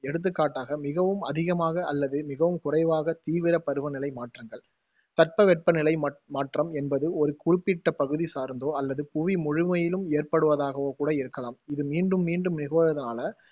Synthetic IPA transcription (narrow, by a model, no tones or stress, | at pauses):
ɛɽɯt̪̬ːɯkːaːʈːaːɣɐmɪɣɐʋɯmɐðɪɣɐmaːɣɐʔɐlːɐðɯmɪɣɐʋɯmkʊrɐɪʋaːɣɐt̪iːʋɪɾɐpɐɾɯʋɐnɪlɐɪmaːʈrɐŋɡɐɭ | t̪ɐʈ̚pɐʋɛʈ̚pɐnɪlɐɪmaːʈrɐmɛnbɐðɯɔɾɯkʊrɪpːɪʈːɐpɐɣɯðisaːɾnd̪oːɐlːɐðɯpʊʋimʊɻʊmɐjɪlɯmeːrpɐɽɯʋɐðaːɣɐʋoːkuːɽɐɪɾɯkːɐlaːmɪðɯmiːɳɖɯmːiːɳɖɯmnɪɣoːɾɐðɐnaːlɐ